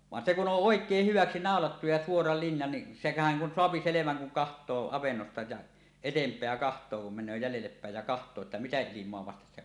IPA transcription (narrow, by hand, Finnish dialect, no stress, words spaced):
ʋɑn se ku on ʔoˑekˑeːh hyʋæksi nɑˑolɑtːu jɑ suorɑ linjɑ ni sehæn kun soɑpi seleʋæŋ kuŋ kɑhtˑoː ɑʋenːostɑ jɑ etempˑeæ kɑhtˑoː kum menˑøː jælelːep pæˑej jɑ kɑhtˑoː etːæ mitæ ilimˑoɑ ʋɑstes se